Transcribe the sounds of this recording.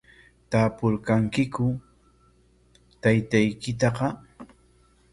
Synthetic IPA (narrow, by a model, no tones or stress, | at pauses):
t̪aːpʊɾkaŋkɪkʊ | t̪ajt̪ajkɪt̪ɑqɑ